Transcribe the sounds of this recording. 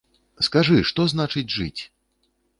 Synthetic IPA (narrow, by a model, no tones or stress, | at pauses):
skaʐɨʂt̪ɔznat͡ʂɨd͡zʲʐɨt͡sʲ